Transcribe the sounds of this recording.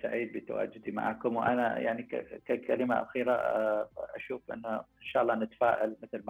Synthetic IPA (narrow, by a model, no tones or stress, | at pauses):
saʕiːd̪̚bɪt̪a̰wa̰ːd͡ʒɪd̪ima̰ʕaːkʊmwʔa̰naja̰ʕnia̰kakʰalɪmaʔa̰xiːɾa | ʔa̰ʃuːfʔɪ̰nːaʔɪnʃaːʔɑlˤːɑnɪt̪ḁfaːʔalmɪθlma